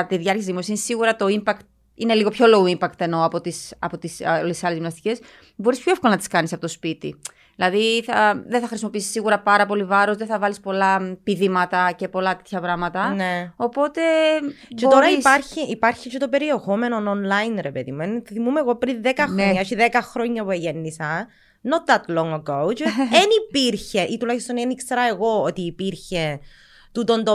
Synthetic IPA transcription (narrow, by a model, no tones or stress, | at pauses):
t̪iðʝɐɾceszðimo̞sinisiɣuɾɐt̪o̞impɐkt̪̚ | ine̞liɣo̞pço̞loɣoimpɐkt̪e̞no̞ɐpo̞t̪isɐpo̞t̪islesisɐlezðimnɐst̪ice̞s | bo̞ɾispçoefko̞lɐnɐt̪iskɐnisɐpo̞t̪ospit̪ḭ | ðilɐðiθɐðenθɐxɾisimo̞pisi̥sːiɣuɾɐpɐɾɐpo̞livɐɾo̞zðeθɐvɐlispo̞lɐpiðimɐt̪ɐce̞po̞lɐt̪e̥t̪çɐvɾɐmɐt̪ɐneo̞po̞t̪e̞bt͡ʃet̪oɾɐispɐɾçiʔipɐɾçit͡ʃet̪o̞peɾiexome̞nononlɐjnɾepeðḭmuenθimumeɣopɾinðekɐxɾoɲɐʃiðekɐxɾo̞ɲːɐpueʝenːisɐ | not̪ðɐt̪loŋokowt͡ʃenipiɾçe̞ʔit̪ulɐçist̪onenikseɾɐeɣo̞ot̪iːpiɾçe | t̪ut̪ond̪o